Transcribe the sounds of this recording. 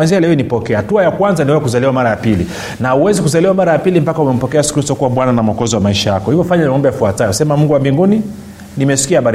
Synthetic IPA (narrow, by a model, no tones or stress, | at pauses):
anzialɛɔnipɔkɛahatuajakwanzaniwɛzakuzaliwamaɾajapilḭ | nauwɛzikuzaliwamaɾajapilim̩pakaumɛm̩pɔkɛasu̥kɾistɔkuwaɓwananam̩ɔkɔziwamaiʃajakɔhivɔfaɲanimaɔmbɛjafuatajɔsɛmamuŋɡuwambiŋɡuni | nimɛsi̥kiahaɓaɾ